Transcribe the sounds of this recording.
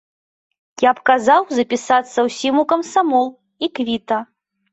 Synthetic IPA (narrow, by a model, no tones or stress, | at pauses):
japkazawzɐpʲisat̪sːɐwsʲimukɐmsamɔlˠ | ikvʲit̪ɐ